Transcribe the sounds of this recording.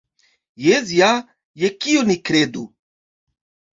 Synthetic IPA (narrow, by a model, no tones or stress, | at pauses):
jezija | jɛkionikɾed̪u